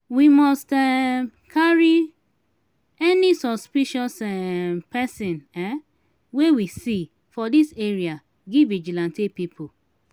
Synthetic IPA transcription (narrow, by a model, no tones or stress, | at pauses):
wimɔstɛkʰaɹi | ɛnisɔspiʃɔsɛpɛsĩnɛ | wewisi | fɔdiseɹia | ɡivid͡ʒilãntipipʰo